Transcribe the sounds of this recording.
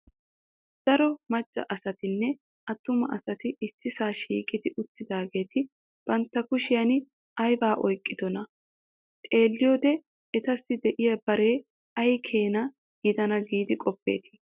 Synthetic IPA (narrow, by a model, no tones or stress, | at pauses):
d̪̥ɐɾɔmɐt͡ʃʼːɐ̰ʔɐsɐt̪ɪnːɛ | ʔɐt̪ːʊmɐ̰ʔɐsɐt̪ɪɪsːɪsaːʃḭːkʼɪd̪ɪʔʊt̪ːɪd̪aːɡe̞ːt̪ʰɪ | b̥ɐnt̪ːɐkʊʃɪjɐnɪ | ɐjbaːʔɔjkʼːɪd̪ɔnɐ | t̪ʼe̞ːlːɪjɔd̪ɛ | ɛt̪ɐsːɪd̪ɛʔɪjɐb̥ɐɾe̞ː | ɐjkʰeːnɐ | ɡɪd̪ɐnɐɡiːd̪ɪkʼɔpːḛːt̪ɪ̥